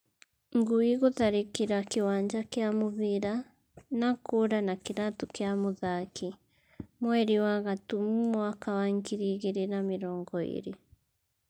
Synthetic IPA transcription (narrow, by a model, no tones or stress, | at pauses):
ŋɡuiɣoðaɾekiɾakewaːɲd͡ʒakeamoβeɾa | nakoɾanakeɾatukeamoðaki | mwɛɾiwaɣatumumwakawaŋkiɾiːɣeɾenameɾɔːŋɡɔḛɾe